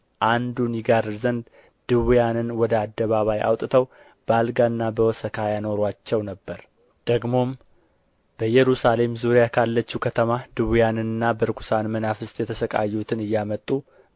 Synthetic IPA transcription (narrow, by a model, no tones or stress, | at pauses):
ʔand̪unjɪɡaɾɨzənd̪ | d̪̥ɨwjanɨnwɔd̪əad̪ːəβaβajʔa̰wt̪ʼɨt̪ʰəw | b̥əalɡanːabəwɔsəkʰajano̞ɾwat͡ʃːɛwnəbːəɾ | d̪̥əɡmo̞m | b̥əjɛɾusale̞mzuɾijakʰalːət͡ʃːukʰət̪ʰəmad̪ɨwjanɨnɨnːabəɾkʰu̥sanmənafɨst̪ʼjɛt̪ʰəsəkʼa̰jːut̪ʰɨnɨjːamət̪ʼːu